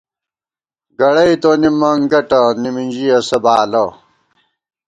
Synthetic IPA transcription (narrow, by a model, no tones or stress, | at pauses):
ɡɐɽɐit̪onimːɐŋɡɐʈɐnimind͡ʑijɐsɐbaːlɐ